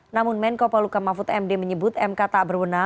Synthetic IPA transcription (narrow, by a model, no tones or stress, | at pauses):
namʊnmɛnkopalukamafʊt̪ɛmdeməɲəbʊt̪ɛmkat̪aʔbərwəna